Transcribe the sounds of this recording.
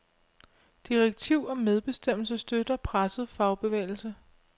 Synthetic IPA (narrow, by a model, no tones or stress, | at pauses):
d̥iʁeɡ̥̚t͡sʰiʊ̰ɒ̽með̞ˠb̥e̝sd̥em̰l̩səsd̥ød̥ɐpʰʁasð̩ˠfɑ̈ʊb̥e̝ʋḛːɪl̩sə